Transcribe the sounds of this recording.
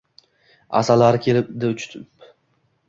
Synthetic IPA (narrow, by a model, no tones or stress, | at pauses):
a̰salaɾɪkʲʰelɪp̚d̪et͡ʃʰy̥t̪ʰɪp